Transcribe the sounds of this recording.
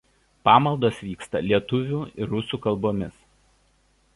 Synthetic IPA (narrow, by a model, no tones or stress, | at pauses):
pɑːmɐlˠd̪oːsʋʲiːkst̪ɐ̰lʲiɛt̪ʊʋʲuːɪɾːʊsuːkɐlˠboːmʲɪs